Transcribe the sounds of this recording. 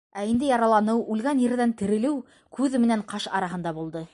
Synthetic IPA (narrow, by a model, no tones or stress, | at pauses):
æind̪ɘjɑɾɑlˠɑnɤwʉlɡænjɘ̆ɾðænt̪ɘ̆ɾɘ̆lɘw | kʉðmɘ̆næɴqɑʃɑ̰ɾɑɦɤ̆nd̪ɑbulˠd̪ɤ